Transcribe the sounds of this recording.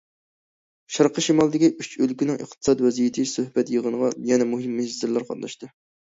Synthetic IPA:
ʃɑɾqəʃimɑlˠd̪ɪkʲiʔyt͡ʃʰølkʲinɪŋʔə̰χt̪ʰɨ̥sɑd̪wɛzijit̪ʰɨsøhbɛt̪jəʁənəʁɑjɛnɛmuɦɪmːyzɪɾlˠæɾqʰɑ̰t̪nɑʃt̪ɨ

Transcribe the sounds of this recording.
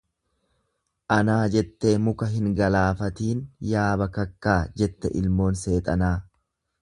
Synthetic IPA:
ʔɐnaːd͡ʒɛt̪ːeːmʊkɐɦɪŋɡɐlaːfɐt̪iːnjaːbɐkɐkːaːd͡ʒɛt̪ːɛ̰ʔɪlmo̞ːnse̞ːt̪ʼɐnaː

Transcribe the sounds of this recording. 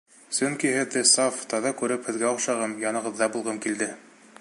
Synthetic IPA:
sɵŋkihɘ̆ðːɘsɑft̪ɑðɑkʉɾɘphɘ̆ðɡæuqʃɑʁɤmjɑnɤ̆ʁɤ̆ðːɑbulˠʁɤmkild̪ɘ

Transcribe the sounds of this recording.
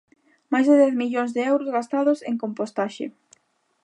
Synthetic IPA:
majzðeðɛθmiʎoŋzðeɛwɾozɣast̪aðoseŋkompost̪aʃɪ̰

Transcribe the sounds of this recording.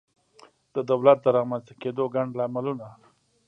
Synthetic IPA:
d̪̥əd̪awlat̪̚d̪əɾɑmanst̪ḁked̪oɡaɳɖlamaluna

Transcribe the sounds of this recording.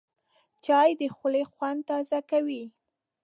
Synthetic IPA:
t͡ʃɑjd̪əxʊlexwan̚t̪ɑzakawi

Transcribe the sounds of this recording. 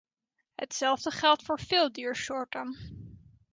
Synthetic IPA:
ɦə̰tsɛlˠvdəχɛlˠtfʊːɹvɪːlˠdiːɹʃɔɹtən

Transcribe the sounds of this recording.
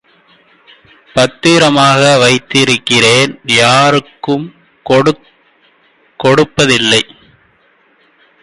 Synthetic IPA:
pɐt̪ːiːɾɐmaːɣɐʋɐɪt̪ːɪɾɯkːɪreːnjaːɾɯkːɯm | ɽ | kɔɽɯpːɐðɪlːɐɪ

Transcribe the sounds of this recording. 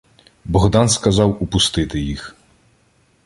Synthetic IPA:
bɔɣd̪ɑnskɐzɑwupʊst̪ɪt̪ɪjix

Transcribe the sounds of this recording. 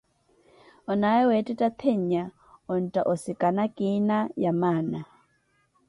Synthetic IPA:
ɔnaɛwɛtʼɛtʼat̪ʰeɲ̩a | ɔn̩tʼaʔɔsikʼanakʼinajamaːna

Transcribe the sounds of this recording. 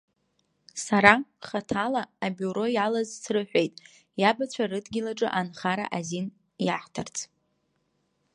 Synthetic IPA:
saɾaχatʰalaːbʲuɾo̞jalazsrɨħʷᶣe̞jtʼ | jabat͡ɕʷʰarɨdɡʲɪlaʈ͡ʂʼɨʔanχaɾa̰ʔazin | jaħtʰart͡sʰʼ

